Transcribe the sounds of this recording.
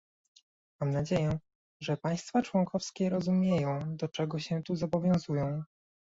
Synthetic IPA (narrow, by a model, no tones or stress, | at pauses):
mamnad͡ʑejɛ̃ | ʐɛpaj̃st̪fat͡ʂwɔŋkɔfskʲɛɾɔzumʲjejɔ̃w̃d̪ɔt͡ʂɛɡɔɕɛt̪uzɔbɔvʲjɔ̃w̃zujɔ̃w̃